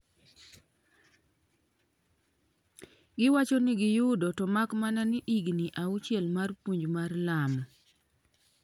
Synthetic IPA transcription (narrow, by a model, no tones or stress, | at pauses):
ɡɪwat͡ʃonɪɡɪjʊdɔtɔmakmananɪʔiɡniʔaut͡ʃjɛlmarpuɲd͡ʒmarlam